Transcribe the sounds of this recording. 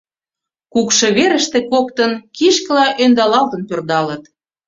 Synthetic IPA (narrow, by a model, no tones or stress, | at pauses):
kukʃɤ̆βeɾə̆ʃt̪ĕkokt̪ənkiʃkəlɑʔønd̪ɑlɑlt̪ənpørd̪ɑlət̪